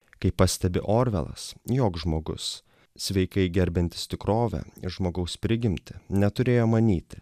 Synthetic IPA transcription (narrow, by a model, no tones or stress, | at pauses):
kɐɪpːɐsʲt̪ʲɛbʲɪ̰ʔoːɾʲʋʲɛ̰lˠɐ̰sjoːkʒmoːɡʊ̰s | sʲʋʲɛɪkɐɪɡʲɛɾʲbʲɪnʲt̪ʲɪ̥st̪ʲɪkɾoːʋʲɛ̰ɪʒmoːɡɐʊspʲɾʲɪɡʲɪmʲt̪ʲɪnʲɛt̪ʊɾʲeːjoːmɐnʲiːt̪ʲɪ̥